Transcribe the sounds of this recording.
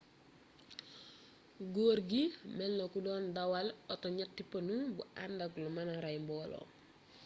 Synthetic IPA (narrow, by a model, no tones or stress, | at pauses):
ɡoːɾɡimɛlnokudɔːndawalɔtɔɲatːipɐnubuʔandaklumanaɾajmbɔːlɔ̰